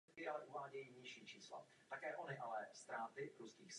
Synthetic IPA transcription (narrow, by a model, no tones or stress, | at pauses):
kɪʔalɛʔuvaːɟɛjiːɲɪʃiːt͡ʃiːsla̰ | t̪akɛːʔo̞nɪʔalɛst̪ɾaːt̪ɪɾuskiːxs